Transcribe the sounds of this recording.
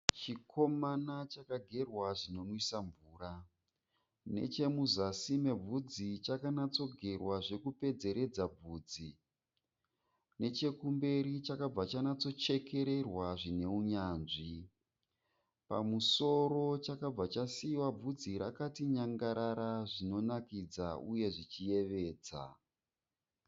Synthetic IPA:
t͡ʃikʰo̞manat͡ʃakaɡʱe̞rwaʐino̞nwisaɱvuːra | ne̞̰t͡ʃe̞muzasime̞b͡vud͡zit͡ʃakanat͡so̞ɡʱe̞rwaʐe̞kupe̞d͡ze̞ɾe̞d͡zab͡vuːd͡zi | ne̞t͡ʃe̞kumbe̞ɾit͡ʃakab͡vat͡ʃanat͡so̞t͡ʃe̞ke̞ɾe̞rwaʐine̞uɲaːnʐi | pa̰muso̞ɾo̞t͡ʃakab͡vat͡ʃasiwab͡vud͡ziɾa̰katiɲaŋɡaɾaɾaʐino̞nakid͡zauje̞ʐit͡ʃije̞ʋe̞ːd͡za̰

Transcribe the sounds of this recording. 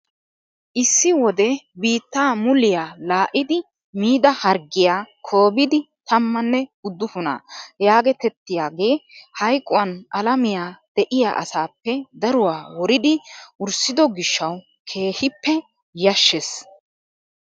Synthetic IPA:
ʔɪsːɪwɔd̪ɛbiːt̪ːaːmʊlɪjaːlaːʔɪd̪ɪ | miːd̪ɐhɐɾɡɪjaːkʰo̞ːbɪd̪ɪ | t̪ʰɐmːɐnːɛʊd̪ːʊfʊna̰ːjaːɡɛt̪ɛt̪ːɪjaːɡe̞ːhɐjkʼʊwɐnʔɐlɐmɪjaːd̪̥ɛʔɪja̰ːʔɐ̰saːpːɛd̪ɐɾʊwaːwɔɾɪd̪ɪʔʊɾsɪd̪ɔɡɪʃːɐw | kʰe̞ːhɪpːɛ | jɐʃːɛs

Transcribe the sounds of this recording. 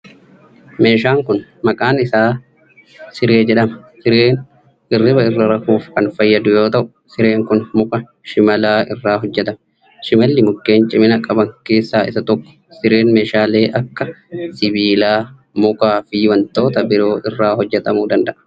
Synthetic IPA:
me̞ːʃaːŋkʊnmɐkʼaːnɪsaː | sɪɾeːd͡ʒɛᶑɐmɐsɪɾeːn | ɪrːɪbɐɪrːɐɾɐhuːfkɐnfɐjːɐd̪ʊjo̞ːt̪ɐʔʊ | sɪɾe̞ːŋkʊnmʊkʼɐ | ʃɪmɐlaːɪrːaːɦɔd͡ʒːɛt̪ɐm | ʃɪmɐlːɪmʊkːe̞ːnt͡ʃʼɪmɪnɐkʼɐbɐŋke̞ːsːaːɪsɐt̪ɔkːɔ̥sɪɾe̞ːnme̞ːʃaːle̞ːʔɐkːɐsɪbiːlaː | mʊkaːfɪwɐnt̪o̞ːt̪ɐbɪɾo̞ːʔɪrːaːɦɔd͡ʒːɛt̪ɐmuːd̪ɐnd̪ɐʔɐ̥

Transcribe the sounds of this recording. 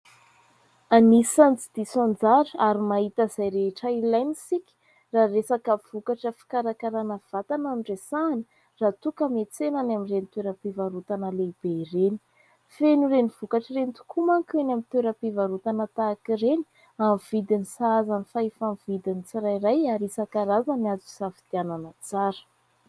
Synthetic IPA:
anisant͡sid̪̥isond͡zaɾəaɾimaɦit̪əzajɾeʈ͡ʂailajnisikʲi̥ | raːresakav̥ukaʈ͡ʂəfi̥kaɾakaɾanəv̥at̪anaɳɖ͡ʐesanə | rat̪ukəmet͡senanaminrent̪weɾəpivaɾut̪anəleib̥eireni̥ | fenureniv̥ukaʈ͡ʂərent̪u̥kʰumaŋkenamint̪weɾəpivaɾut̪anət̪aːkireni̥ | amv̥id̪inisaazanifaefamvid̪init͡saɾajrajaɾisakaɾazaniazusafid̪̥iananət͡saɾə̥

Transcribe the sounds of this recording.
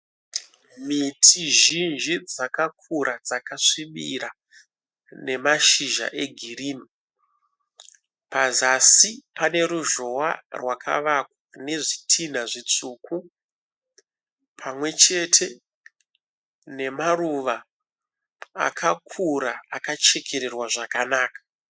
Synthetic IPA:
mitʰiʒinʒid͡zakak̚ʰuɾʔad͡zakaʂimḭra | ne̞maʃiʒa̰ʔe̞ɡʱiriːni | pazasipane̞ɾuʒo̞wa̰rwakʰa̰ʋakwane̞ʐitʰinaʐit͡suːku | pʰamwe̞t͡ʃe̞tʰe̞ | ne̞maruʋa | a̰kʰakʰuɾaakat͡ʃe̞kʰe̞ɾe̞rwaʐakanaːkḁ

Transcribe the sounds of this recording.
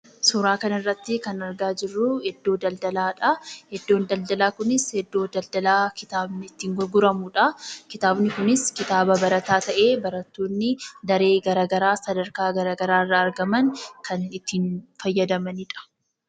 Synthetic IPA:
sʊɾaːkɐnɐɪrːɐt̪ːɪkɐnɐɾɡaːd͡ʒɪrːʊhɛd̪ːo̞ːd̪ɐld̪ɐlaːᶑɐhɛd̪ːo̞ːnd̪ɐld̪ɐlaːkʊnɪshɛd̪ːo̞ːd̪ɐld̪ɐlaːkɪt̪aːbnɪːt̪ːiːŋɡɔɾɡʊɾɐmuᶑɐkɪt̪aːbnɪkʊnɪskɪt̪aːbɐbɐɾɐt̪aːt̪ɐʔe̞ːbɐɾɐt̪ːoːnːɪd̪ɐɾe̞ːɡɐɾaːɡɐɾaːsɐd̪ɐɾkaːɡɐɾaːɡɐɾaːrːɐːɾɡɐmɐŋkʰɐnɪt̪ːiːnfɐjːɐd̪ɐmɐnɪᶑɐ̥

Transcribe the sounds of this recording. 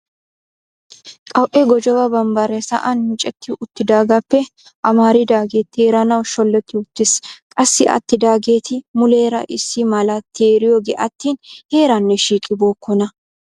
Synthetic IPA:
kʼɐwʔɛɡɔd͡ʒɔwɐbɐmbɐɾɛsɐ̰ʔɐnːɪt͡ʃʼɛt̪ːɪʔʊt̪ːɪd̪aːɡɐpːɛ | ʔɐmaːɾɪd̪aːɡe̞ːt̪ːheːɾɐnɐwʃɔlːɛt̪ːɪʊt̪ːɪskʼɐsːɪʔɐ̰t̪ːɪd̪aːɡe̞ːt̪ʰɪmʊleːɾɐʔɪsːɪmɐlɐt̪ʰːeːɾɪjoːɡeːʔɐt̪ːiːnheːɾɐnːɛʃiːkʼɪbo̞ːkːɔnɐ

